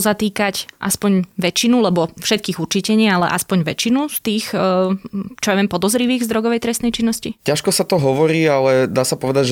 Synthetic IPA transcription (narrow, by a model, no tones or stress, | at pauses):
zat̪iːkacʔa̰spɔɲʋɛt͡ʃinulɛbɔfʃɛt̪̚kiːɣut͡ʃicɛɲɪalɛ̰ʔaspɔɲʋɛ̰t͡ʃinust̪iːx | t͡ʃɔjaʋiɛmpɔd̪ɔzɾiʋiːɣzd̪ɾɔɡɔʋɛjt̪ɾɛst̪ɛjt͡ʃinːɔscicaʃkɔsat̪ɔɦɔʋɔɾiːalɛd̪aːsapɔʋɛd̪aɟʒɛ